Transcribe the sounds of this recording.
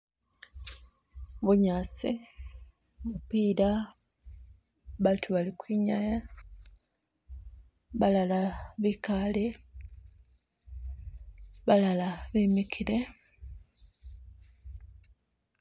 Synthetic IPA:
βuɲaːsi | mupiːɾa | βatʰuβalikwiɲaja | βalalaβikale | βalalaβimikʰiɾe

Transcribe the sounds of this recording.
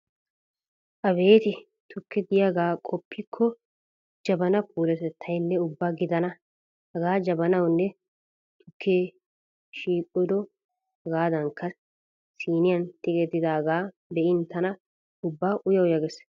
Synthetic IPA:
ʔɐbe̞ːt̪ɪ | t̪ʰʊkːɛɡ̪ɪjaɡaːkʼɔpːɪkʰːɔ | d͡ʒɐbɐnɐpʰuːlɛt̪ɛt̪ʰːɐjnːɛʊbːaːɡɪd̪ɐnɐ | hɐɡaːd͡ʒɐbɐnɐwnːɛ | t̪ʰʊkːe | ʃiːkʼʊd̪ɔ | ɡaːd̪ɐŋkʰːɐ | siːnɪjɐnt̪ʼɪkʼɛd̪ɪd̪aːɡaː | b̪ɛʔɪnt̪ɐnɐ | ʊbːaːʔʊjɐwjɐɡɛs

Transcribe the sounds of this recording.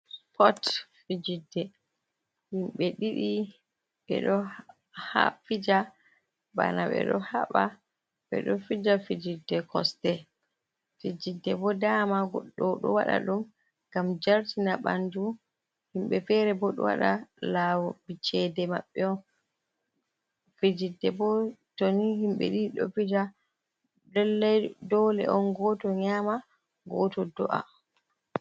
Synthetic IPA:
spʰɔtfid͡ʒidːɛ | himɓɛɗiɗi | ɓɛ̰ɗɔ | ha̰fid͡ʒa | ba̰naɓɛ̰ɗɔhaɓa | ɓɛ̰ɗɔfid͡ʒafid͡ʒidːɛkʰɔstɛ | fid͡ʒidːɛbɔdaːmaɡɔɗːɔɗɔ̰waɗa̰ɗum | ɡ̥amd͡ʒaɾtinaɓa̰ndu | himɓɛfɛɾɛbɔɗɔ̰wa̰ɗalawɔbit͡ʃɛdɛma̰ɓːɛɔn | fid͡ʒidːɛbɔtonihimɓɛ̰ɗiɗɔ̰fid͡ʒa | dɛlːɛjdɔlɛ̰ʔɔnɡɔtɔɲaːma | ɡɔtɔdɔʔa̰

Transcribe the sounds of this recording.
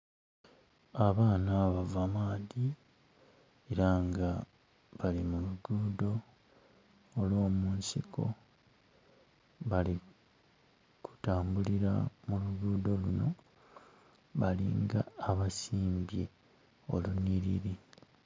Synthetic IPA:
aβaːnaβavamaːði | eɾaŋɡa | βalimuluɡuːdo̞ | lwo̞ːmuːnsiko̞ | βali | kʰu̥taːmbuliɾa̰muluɡuːdo̞luno̞ | βalḭŋɡaːβasiːmbje | o̞̰luniɾḭɾi

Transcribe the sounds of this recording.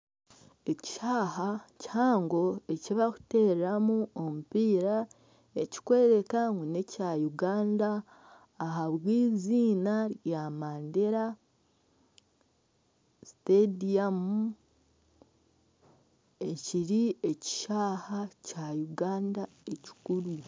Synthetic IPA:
e̞ci̥ʃaːhacaːŋɡo̞e̞ciβaku̥te̞ːɾɾamuomupiːɾa | e̞ci̥kwe̞ːɾe̞kaŋɡonecajuɡaːndaː | ɦaβwiːziːnaɾjamaːndeɾa | stediamu | eciɾieci̥ʃaːhacajuɡaːndae̞ci̥kuɾu

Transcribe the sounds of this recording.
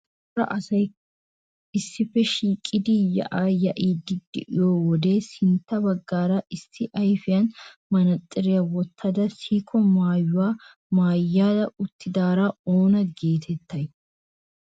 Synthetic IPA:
ɾɐ̰ʔɐsɐj | ɪsːɪfɛʃiːkʼːɪd̪ɪjɐ̰ʔaːjɐʔiːd̪ɪd̪ːɪ̰ʔɪ̰joːwɔd̪eːsɪnt̪ːɐbɐɡːaːɾɐɪsːɪʔɐjfɪjɐnmɐnɐt̪ʼːɪɾɪjɐwɔt̪ʰːɐd̪ɐsiːkʰɔmaːjːʊwaː | maːjːaːdɐʊt̪ːɪd̪aːɾaoːnɐɡe̞ːt̪ʰɛt̪ːɐj

